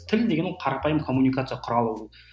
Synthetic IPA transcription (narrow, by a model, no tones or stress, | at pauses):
t̪ʰɪlʲd̪eɡenɪɴqʰɑɾɑpɑjəmkʰomːunikat̪sɨjɑqʰʊɾɑlˠəwə